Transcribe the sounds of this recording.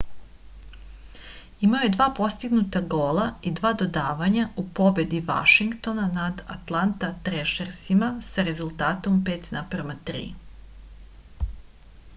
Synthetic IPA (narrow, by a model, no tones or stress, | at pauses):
imaoje̞d̪ʋaːpo̞st̪iɡnut̪aɡoːlˠaid̪ʋaːd̪o̞d̪aːʋaɲaupo̞be̞d̪iʋa̰ʃiŋkt̪o̞nanad̪a̰t̪lˠant̪at̪ɾeʃeɾsimasaɾe̞zulˠt̪aːt̪o̞mpe̞ːt̪naprmat̪ɾḭː